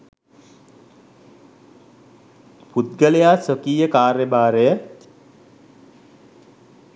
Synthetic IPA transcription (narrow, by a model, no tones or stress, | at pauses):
pud̪̚ɡəlejaːsəkiːjəkaːɾjəbaːɾejə